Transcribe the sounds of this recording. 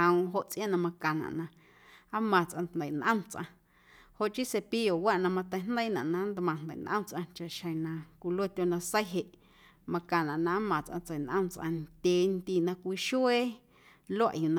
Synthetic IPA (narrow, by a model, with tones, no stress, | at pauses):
ə̃˧ũ˧ɦo˧ʔt͡sʔj̃ã˦nã˧mã˧kã˨nã̰˨ʔnã˧ | a˦mã˨t͡sʔã˧nt̪nd̪ə˨nʔə̃˦mt͡sʔã̰˧ | ho˨ʔt͡ʃi˦se˧pi˦jo˨wa˦ʔnã˧mã˧t̪ə˧jnd̪ə˦jnã̰˨ʔnã˧˦nd̪mã˨nd̪ə̰˨nʔə̰̃˦mt͡sʔã˧t͡ʃa˨ʔʃə̃˨nã˧kʷi˧lwe˦t̪ʲjo˧nã˧sə˦jɦe˨ʔ | mã˧kã˨nã˨ʔnã˧a˦mã˨t͡sʔã̰˧t͡sə˨nʔə̰̃˦mt͡sʔã˧nd̪ʲeː˨nt̪i˧˨nã˧kʷiː˧ʃu˦e˦ | lo˦a˦ʔju˨nã